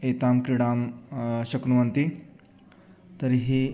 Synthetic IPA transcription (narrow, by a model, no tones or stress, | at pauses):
et̪amkɾiɽamɕəknuʋənt̪i | t̪əɾiɦi